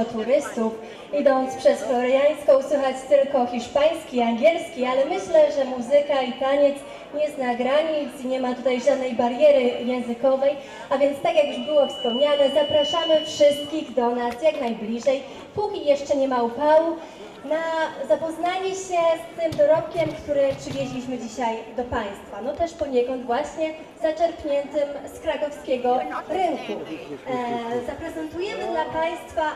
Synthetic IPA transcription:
ɔt̪uɾɘst̪uf | id̪ɔnt̪spʂɛsflɔɾɛjajskɔ̃uswɘxat͡ɕt̪ɘlkɔxʲiʂpaj̃skʲiaŋɡʲjɛlskʲialɛmɘɕlɛʐɛmuzɘkait̪aɲɛt̪s | ɲɛznaɡɾaɲit̪siɲɛmat̪ut̪ajʐad̪̚nɛjbaɾjɛɾɘjɛ̃w̃zɘkɔvɛj | avʲjɛnt̪st̪akjakjuʐbɘwɔfspɔmɲanɛzapɾaʂamɘfʂɘst̪̚kʲiɣd̪ɔnasjaknajblʲiʐɛj | pukʲijɛʂt͡ʂɛɲɛmaupawu | nazapɔznaɲɛɕɛst̪ɘmd̪ɔɾɔp̚kʲɛmkt̪uɾɛpʂɘvʲjɛʑlʲiɕmɘd͡ʑiɕajd̪ɔpaj̃st̪fanɔt̪ɛʂpɔɲɛkɔnd̪vwaɕɲɛ | zat͡ʂɛɾpɲɛnt̪ɘmskɾakɔfskʲɛɡɔɾɘŋku | zapɾɛzɛnt̪ujɛmɘd̪lapaj̃st̪fa

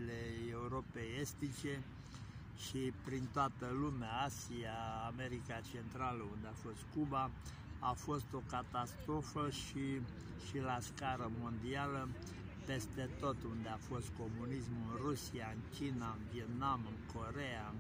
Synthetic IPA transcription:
le̞euɾo̞pejest̪it͡ʃe̞ | ʃipɾint̪oat̪əlumeaasiaːme̞ɾikat͡ʃe̞nt̪ɾaləund̪eafo̞st̪kubaː | fo̞st̪o̞kat̪ast̪ɾo̞fəʃi | ʃilaskaɾəmo̞nd̪ialə | pe̞st̪e̞t̪o̞t̪und̪eafo̞st̪̚ko̞munismɨnrusiaɨŋkʲinaɨnviet̪namɨŋko̞ɾeaɨŋ

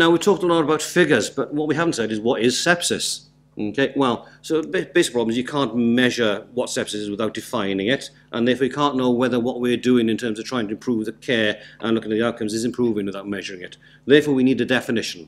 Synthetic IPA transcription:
naʊwiv̥tʰɔˑk̚tn̩laɾəbaʊtfɪɡə˞zb̥ʌt̚wʌt̚wiɦavn̩tsɛɾɨzwʌɾɪz̥sɛpsɪs | okʰeɪwɛlˠsoʊbebeɪsɪ̥pɹ̥ɔbmzjɨkʰɑ̃ˑnmɛʒə˞wʌtsɛpsɨsɨzwɪθaʊt̚d̥ɨfãɪ̃nɪ̃ŋɪt | ʔə̃nðɛːfɔːjɨkʰɑ̃ˑnːoʊwɛðə˞wʌʔ̚wɪədʉɪ̃ŋɨ̃ntʰɜ̃˞mzʌv̥tʰaɪɪ̃ŋtʰəɨ̃mpʰɹ̥uvðəkʰɛːʔə̃nlʊkɪ̃ŋɨt̪̚ðiaʊt̚kʰʌ̃mzɨzɪ̃mpʰɹ̥uːvɪ̃ŋwɨθaʊt̚mɛʒə˞ɪ̃ŋɪt̪̚ | ðɛfɔɹwinidɨdɛfɨnɪʃə̃n̩

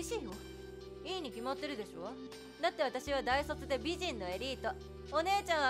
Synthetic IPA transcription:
iɕiːo | iːɲ̟ikʲimat̪ːe̞ɾɯ̟d̪e̞ɕo̞ | d̪at̪ːe̞β̞at̪aɕiβad̪aisot͡sɨd̪e̞bʲiʑĩnːo̞e̞ɾʲiːt̪o | one̞ːt͡ɕãɰ̃a

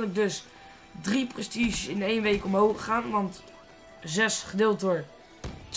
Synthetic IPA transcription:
ləɡ̚dɵs | driprɛstiʒəsɪnejnʋejkɔmɦowχaːnʋɑnt | zɛsχədɪlˠtʊɹ | t

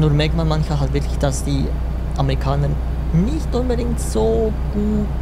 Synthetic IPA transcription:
nuːmɛɐk̚tmaːnmançmalɦaltv̥ɪɐkʰlɪçd̥asd̥iː | ʔameʁikʰaːnəɾ | nɪçtʔʊnbədɪŋtz̥oːɡ̥uːt

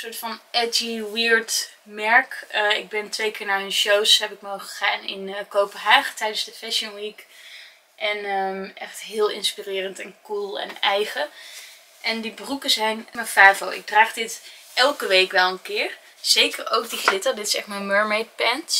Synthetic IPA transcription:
sʊːɹtfɑnʔɛd͡ʒiwɪɹd | mɛɹkəɪ̰ɡ̚bɛntʋejkɪːɹnaənʃowsɦɛpɪk̚mowχəχaːnɪ̰nəkowpənɦaːχtɛjdənzdəfɛʃənwik | ʔɛnəʔɛχtɦɪːlˠɪ̰nspirɪːrəntɛnkulˠɛ̰nɛjχə | ʔɛndibərukəzɛjnməfaːvowɪ̰ɡ̚draːχdɪtʔɛlˠkəʋejkʋɛlˠənkɪːɹ | z̥ejkəɹo̰wk̚diχlɪtəɹdɪtɪ̥sɛχtmamøɹmejt̚pɛnt

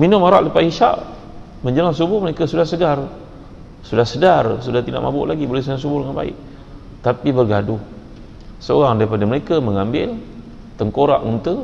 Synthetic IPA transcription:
minʊmaɾaʔləpaʔiʃa̰ʔ | məɲd͡ʒəlaŋs̬ubʊhməɾekasudahsəɡar | sudahsədarsudaht̪ida̰ʔma̰bʊ̰ʔlaɡibolɛsəlaŋsubʊhdəŋanba̰ɪ̰ʔ | t̪apibərɡadʊh | səoɾaŋdaɾipadaməɾekaməŋambɪl | t̪əŋkoɾa̰ʔunt̪ə

